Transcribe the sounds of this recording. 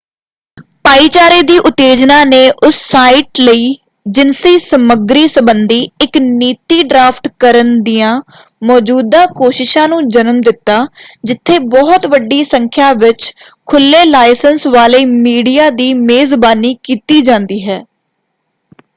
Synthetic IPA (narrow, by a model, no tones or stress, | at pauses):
paːiːt͡ʃaːɾeːd̪iːʔʊt̪ːeːd͡ʒnaːneːʔʊsːaːiɪʈləiː | d͡ʒɪnsiːsəməɡɾiːsəbənd̪iːɪkniːt̪iːɖɾaːpʈkəɾənd̪ijãː | mɔːd͡ʒuːd̪ãːkoːʃɪʃãːnũːd͡ʒənəmd̪ɪt̪ːaːd͡ʒɪt̪ʰːeːbɔːt̪ʋəɖːiːsəŋkʰjaːʋɪt͡ʃkʰʊlːeːlaːɪsənsʋaːləiːmiːɖijaːd̪iːmeːzbaːniːkiːt̪iːd͡ʒãːnd̪iːɦɛː